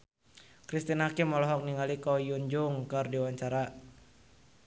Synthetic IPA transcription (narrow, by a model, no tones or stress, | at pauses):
kɾist̪inhakimɔlɔɦɔk̚niŋalikɔjuɲd͡ʒʊŋkɨrdiwaɲt͡ʃaɾa